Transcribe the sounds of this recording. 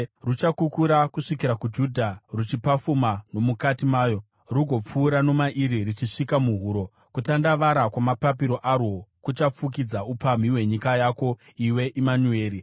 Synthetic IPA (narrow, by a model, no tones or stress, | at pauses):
rut͡ʃakukuɾakuʂikiɾakud͡ʒudʱarut͡ʃipafumano̞mukatimaːjo̞ | ruɡʱo̞p͡fuːɾano̞maʔiɾirit͡ʃiʂikamuɦuːɾo̞ | kutandaʋaɾakwamapapiɾo̞ʔarwo̞kut͡ʃap͡fuk̬id͡zaupam̤iwe̞ɲikajako̞ | iwe̞ʔimanue̞ːɾi